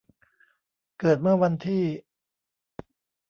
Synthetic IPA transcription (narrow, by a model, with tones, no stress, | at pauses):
kɤː˨˩t̪̚mɯ˥˩ɐwa˧nt̪ʰiː˥˩